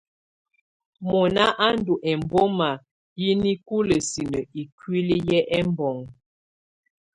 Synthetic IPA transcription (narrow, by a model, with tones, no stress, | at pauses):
mɔ˨na˦ʔa˦n˦du˨ʔɛ˨m˨bo˦ma˨ | ji˦ni˦ku˦lə˨si˨nə˨i˨kwi˦li˦jɛ˦ʔɛ˦mbɔ˨ŋ